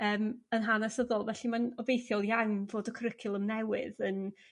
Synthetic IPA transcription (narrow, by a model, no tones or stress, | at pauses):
əːmənɦanasəðɔlˠvɛɬimanɔbejθjɔlˠjawnvoːdəkʰəɾəkʰɪlˠəmnɛwɪðən